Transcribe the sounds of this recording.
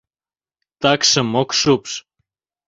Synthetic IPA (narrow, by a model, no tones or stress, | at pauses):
t̪aksəmoksups